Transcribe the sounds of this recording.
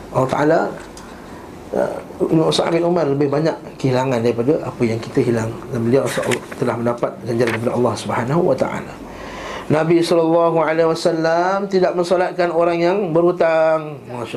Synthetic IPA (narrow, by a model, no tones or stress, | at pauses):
ʔɑlːɑht̪a̰ʔala | usa̰ʔa̰mɪtumarləbɪhbaɲaʔkəhilaŋandaɾipadaʔapəjaŋkit̪əɦilaŋdambəliaʔsʔlt̪əlahməndapat̪̚ɡaɲd͡ʒalankəp̬adaɑlˤːɑhsubəhanaɦuwat̪a̰ʔa̰la | nãbisɔlɑlːɑɦualewasalːamt̪idaʔ̚mənsolat̪̚kanoɾaŋjaŋbəɾhut̪aŋmaʃ